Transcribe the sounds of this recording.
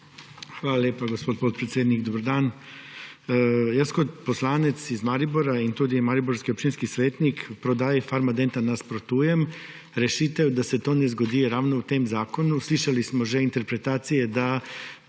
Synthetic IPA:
xʋaːlalʲjeːpaɡospoːt̪̚pot̪̚pɾet̪sjeːd̪niɡd̪obəɾd̪aːn | jaskot̪poslaːnɛt̪sizmaːɾiboɾaint̪uːd̪imaːɾiboɾskiop̚t͡ʃinskisʋeːt̪nikpɾod̪aːjɛfaɾmad̪ent̪anaspɾot̪uːjɛm | ɾɛʃiːt̪ɛwd̪asɛt̪oːnɛzɡod̪iːjɛɾaːwnowt̪eːmzaːkonusliʃalismɔʒɛint̪ɛɾpɾet̪aːt̪sijɛd̪a

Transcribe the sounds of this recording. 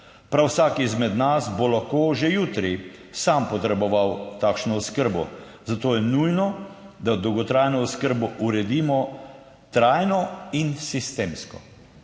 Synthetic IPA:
pɾawsaːkizmɛd̪nasbɔlaxkoːʒejuːt̪ɾisampɔt̪ɾɛbɔʋawt̪aːkʃnɔɔskəɾbɔ̰ | zat̪oːjɛnujnɔd̪ad̪ɔwɡɔt̪ɾajnɔːskəɾbɔʔuɾɛd̪iːmɔ | t̪ɾajnɔinsist̪eːmskɔ

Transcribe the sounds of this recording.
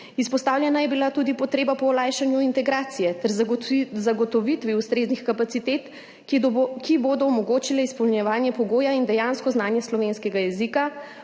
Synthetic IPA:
ispɔst̪aːwlʲjɛnajɛbilat̪ud̪ipɔt̪ɾeːbapɔːlaːjʃanjuint̪ɛɡɾaːt̪sijɛt̪ɛɾzaɡɔt̪ɔʋit̪ʋiust̪ɾeːznixkapat̪it̪et̪ | kiboːd̪ɔɔmɔɡoːt͡ʃilɛispɔwlnjɛʋaːnjɛpɔɡoːjaind̪ɛjaːnskɔznaːnjɛslɔʋenskɛɡajɛzika

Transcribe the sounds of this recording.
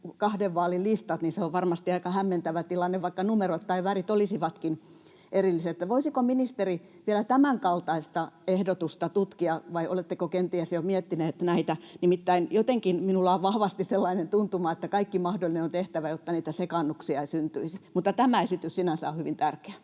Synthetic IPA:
kɑhdeʋʋɑːlillist̪ɑt̪ninseoʋʋɑrmɑst̪iɑikɑhæmːent̪æʋæt̪ilɑnːeʋʋɑikːɑnumerot̪tɑiʋærit̪olisiʋɑt̪kin | ʔerilːiseet̪ːæʋoisikominist̪eri | ʋielæt̪æmæŋkɑlt̪ɑist̪ɑehdot̪ust̪ɑt̪ut̪kiɑʋɑio̰let̪ːekokent̪iæsjomiet̪ːineːt̪næit̪ænimit̪ːæinjot̪eŋkinminulːɑoʋʋɑhʋɑst̪isselːɑinent̪unt̪umɑet̪ːækɑikːimɑhdolːˑinenont̪eht̪æʋæjot̪ːɑniːt̪æsekɑnːuksiɑisynt̪yisimut̪ːɑt̪æmæesit̪yssinænsæ̰ohyʋint̪ærke̥æ

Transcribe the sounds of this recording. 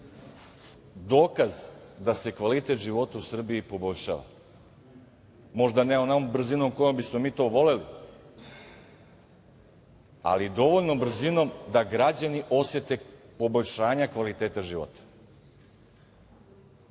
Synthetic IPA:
d̪oːkazd̪ase̞kʋalit̪e̞t̪ʒiʋo̞t̪ausr̩biːpo̞bo̞ʎʲʃa̰ːʋa̰ | mo̞ʒd̪aneonaombr̩zino̞mko̞jombismomiːt̪o̞ːʋo̞le̞li | a̰lid̪o̞ʋo̞ʎno̞br̩zino̞md̪aɡɾad͡ʑaniʔo̞set̪e̞po̞boʎʲʃaːɲakʋalit̪eːt̪aʒiʋo̰t̪ḁ

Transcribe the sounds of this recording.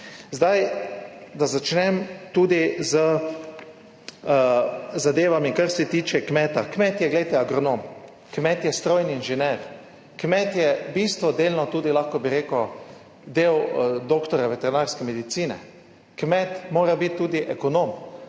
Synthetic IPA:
zd̪aj | d̪azat͡ʃnɛmt̪uːd̪izə | zad̪eːʋamikaɾsɛt̪iːt͡ʃɛkmɛːt̪akmɛt̪jɛɡlɛjt̪ɛaɡɾɔnoːm | kmɛt̪jɛst̪ɾoːjniːnʒɛnɛɾ | kmɛt̪jɛbist̪ʋɔd̪eːlnɔt̪uːd̪ilaxkɔbiɾeːkɔ | d̪eːwd̪okt̪ɔɾjaʋet̪ɛɾinaɾskɛmɛd̪it̪siːnɛ̰ | kmɛt̪moːɾabit̪ːuːd̪iʔɛkɔnom

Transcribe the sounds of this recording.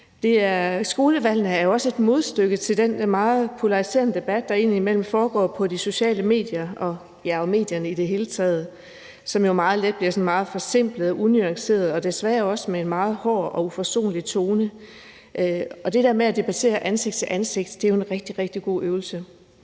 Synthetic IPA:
d̥e̝æɐsɡ̥o̝ːləʋæl̰nəæɐjo̝ɒ̽səe̝d̥mo̝ð̞ˠsd̥øɡ̥ðt͡sʰe̝ld̥enmɑ̈ːð̩ˠpʰo̝lɑ̈ʁise̝̰ːɐnəd̥e̝b̥æd̥̚ːɑ̈e̝̰niimel̰m̩fɒːɡ̥ɒ̰ːpʰɒ̽diso̝ɕɛ̰ːləme̝̰ːd̥jɐɒ̽ | jæɒme̝̰ːd̥jɐnəid̥e̝ɦe̝ːlət͡sʰɛ̰ːð̞ˠ | sɒ̽mjo̝mɑ̈ːð̞̩ˠled̥̚b̥liɐsɒ̽nmɑ̈ːð̞̩ˠfɒ̽se̝m̰b̥ləð̩ˠɒʔunyɑ̈ŋse̝̰ːɐð̞̩ˠɒ̽d̥e̝sʋæɐɐɒ̽səmeenmɑ̈ːð̩ˠhɒ̰ːɒ̽ufɒso̝̰ːnlit͡sʰo̝ːnə | ʔɒ̽d̥e̝d̥æɐmeæd̥e̝b̥æt͡sʰe̝̰ːɐʔænse̝ɡ̥̚d̥t͡sʰe̝ʔænse̝ɡ̥̚d̥d̥e̝æjoenʁeɡ̥̚d̥iʁeɡ̥̚d̥iɡ̥o̝̰ːʔøːʊl̩sə

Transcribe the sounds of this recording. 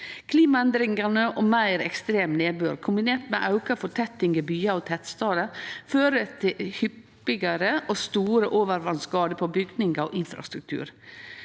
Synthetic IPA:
kʰliːmɑɛnd̪ɾɪŋɑnəʔoːmæɪɾɛkst̪ɾeːmneːbøːɾkʰʊmbɪneːɾʈmɛʔɑʉkɑfɔt̪ʰɛt̪ɪŋɡəbyːɑɔt̪ʰɛt̪st̪ɑːd̪əføːɾət̪ʰɪhʏpː | ɪɡəɾəʔost̪uːɾəʔoːʋəɾʋɑnskɑːd̪əpʰɔbʏɡd̪nɪŋɡɑʔɪnfɾɑ̰st̪ɾʉk̚t̪ʰʉ̰ːɾ

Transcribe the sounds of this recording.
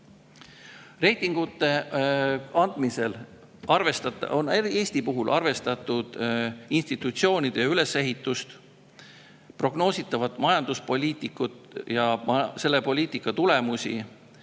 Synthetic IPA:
re̞jt̪ːˑiŋɡ̥ut̪ːˑe̞ | ɑnd̪̥mise̞l | ɑrve̞st̪ɑt̪ːˑɑ̰o̞neɾie̞ːsʲt̪ipuɦulʔɑrve̞st̪ɑt̪ˑːud̪̥inst̪it̪ːˑut̪sio̞ːnʲid̪̥ejɑyle̞sːe̞ɦit̪ːˑust̪ | pro̞ɡ̥no̞ːsʲit̪ːˑɑvɑt̪ːˑmɑjɑnd̪̥uspo̞lʲiːt̪ˑikːˑut̪jɑse̞lːe̞po̞lʲiːt̪ˑikːˑɑt̪ule̞musḭ

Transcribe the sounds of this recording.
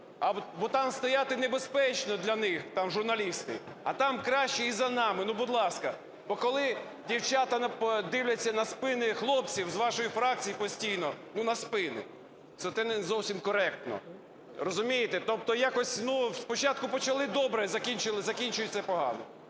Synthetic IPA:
ɐbɔt̪ɑmst̪ɔjat̪ɪnebespɛt͡ʃnɔd̪lʲɐnɪxt̪ɑmʒʊrnɐlʲist̪ɪ̰ | ɐt̪ɑmkɾɑʃt͡ʃɛizɐnɑmɪnubʊd̪lˠɑskɐ | bɔkɔlˠɪ | dʲiwt͡ʃat̪ɐnɐd̪ɪwlʲɐt͡sʲːɐnɐspɪnɪxlˠɔpt͡sʲiwzʋɑʃɔjifɾɑk̚t͡sʲijipɔsʲtʲijnɔnunɐspɪnɪ̰ | t̪ɛt̪ɛnzɔwsʲimkɔɾɛk̚t̪nɔ̰ | rɔzʊmʲijɪt̪ɪt̪ɔp̚t̪ɔjakɔsʲnuspɔt͡ʃɑt̪̚kʊpɔt͡ʃɐlˠɪd̪ɔbɾɛzɐkʲinʲt͡ʃɪlˠɪzɐkʲinʲt͡ʃʊjʊt̪ʲt͡s̪ɛpɔɦɑ̰nɔ

